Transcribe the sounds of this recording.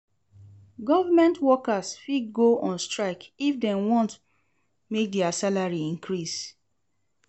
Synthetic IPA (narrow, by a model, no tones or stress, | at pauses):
ɡɔvamɛ̃ntwɔkasfiɡoʔɔ̃nstɹaɪkifdɛ̃nwɔ̃nt | mek̚dɛasalaɹiĩŋkɹis